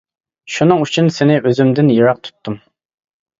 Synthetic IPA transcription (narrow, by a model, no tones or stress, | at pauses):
ʃunɨŋyt͡ʃʰynsɪnɪʔøzymd̪ɪnjɨɾɑq̚t̪ʰu̥t̪ːɨm